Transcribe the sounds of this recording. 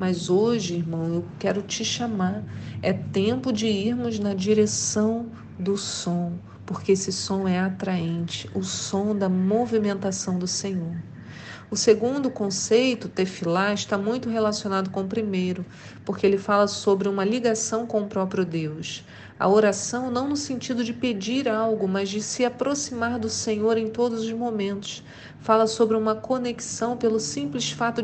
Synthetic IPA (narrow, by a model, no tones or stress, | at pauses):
mɐzoʒɪiɾmɐ̃w̃eʊwkɛɾʊt͡ʃɪʃamaɾɛt̪ẽpʊd͡ʒɪiɾmʊznɐd͡ʒiɾesɐ̃w̃ | d̪ʊsõ | poɾkeesɪsõw̃ɛat̪ɾaẽnt͡ʃɪ̥ʔʊsõd̪ɐmovimẽnt̪asɐ̃w̃d̪ʊsẽɲoɾ | ʊseɡũnd̪ʊkõsejt̪ʊt̪efilaɪʃt̪amũj̃t̪ʊɦelasionad̪ʊkõʊpɾimejɾʊ | poɾkeelɪfalɐsobɾɪũmɐliɡasɐ̃w̃kõʊpɾɔpɾjʊd̪ews | ɐ̰oɾasɐ̃w̃nɐ̃w̃nʊsẽnt͡ʃid̪ʊd͡ʒɪped͡ʒiɾawɡʊmɐzd͡ʒɪsɪapɾosimaɾd̪ʊsẽɲoɾẽj̃t̪od̪ʊzʊzmomẽnt̪ʊ̥s | falɐsobɾɪũmɐkoneki̥sɐ̃w̃pelʊsĩplɪsfat̪ʊ